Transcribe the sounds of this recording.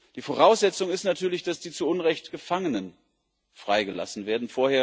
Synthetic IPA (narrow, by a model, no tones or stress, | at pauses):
d̥iːfoʁaʊsz̥ɛt͡sʊŋɪstnatʰyːɐlɪçd̥asd̥iːt͡suʔʊnʁɛçtɡ̥əfaŋənən | fʁ̥aɪɡəla̰sn̩veːɐdn̩foːɐheːɐ